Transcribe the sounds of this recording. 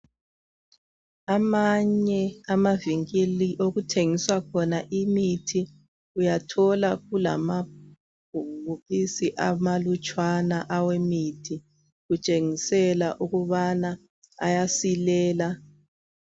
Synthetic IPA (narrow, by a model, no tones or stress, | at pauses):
amaɲɛamaviŋiliʔoɣutʰeŋiswakʰɔnaʔimitʰi | ujatʰɔlaɣula̰ma | bʱuuβisiʔamalut͡ʃʼwanaʔawemitʰi | ɣut͡ʃʼeŋisɛlaʔuɣuβana | a̰jasilɛːla